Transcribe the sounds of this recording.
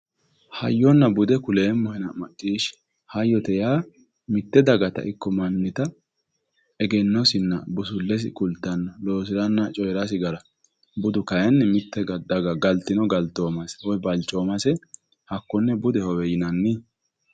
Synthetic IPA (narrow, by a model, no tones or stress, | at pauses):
hɐjːɔnːɐbʊd̪ɛkʊleːmːʊhɛnɐmɐt͡ʃʼːiːʃ | hɐjːɔt̪ɛjaː | mɪt̪ːɛd̪ɐɡɐt̪ɐ̰ʔɪkːɔmɐnːɪt̪ɐ | ɛɡɛnːɔsɪnːɐbʊsʊlːɛs̬ɪ̰kʊlt̪ːɐnːɐloːs̬ɪɾɐnːɐt͡ʃʼɔjɾasɪɡɐɾɐ | bʊd̪ʊkɐjɛnːɛmɪt̪ːɛɡɐd̪ɐɡɐɡɐlt̪ːɪnɔɡɐlt̪ːoːmɐsɛ̥wɔjbɐlt͡ʃʼːoːmɐsɛ | hɐkːɔnːɛbʊd̪ɛhɔwɛjɪnɐnːɪ